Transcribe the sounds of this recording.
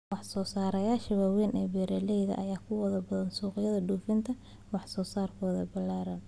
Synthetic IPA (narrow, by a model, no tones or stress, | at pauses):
wɑħsɔːsaːɾɐjaːʃɐwaːwɛːnʔɛːbɛːɾɛlɛjðɐ̰ʔɐjaːkʰʊwɐðɐbɐðɐnsuːqɪjɐðɐɖuːfɪnt̪ʰɐ | wɑħsɔːsaːrkʰɔːðɐbɐlːaːɾɐn